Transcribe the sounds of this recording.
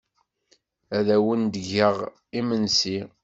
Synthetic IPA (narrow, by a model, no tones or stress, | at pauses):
æðæwənd̪ʝəʁ | imənsi